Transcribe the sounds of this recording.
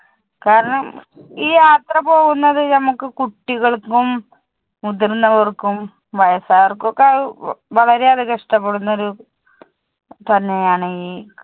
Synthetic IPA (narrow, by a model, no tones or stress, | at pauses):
kaːɾɐɳɐm | iːjaːt̪rɐpo̞ːɣunːɐðɨnɐmukːɨkuʈːiɣɐɭkːum | ud̪irnːɐʋɐrkːum | ʋɐjɐsaːʋɐrkːokːeɐðɨʋɐɭɐɾe̞ɐðɨkɐʂʈɐpːe̞ɽunːɐo̞ɾu | t̪ɐnːe̞jaːɳɨiː